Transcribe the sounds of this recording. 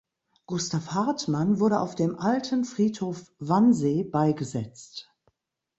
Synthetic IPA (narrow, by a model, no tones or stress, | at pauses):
ɡ̥ʊstafhaɐtmanvʊɐɾəʔa̰ʊfd̥eːmʔaltʰənfʁ̥iːthoːfv̥anzeːbaɪɡəzɛt͡st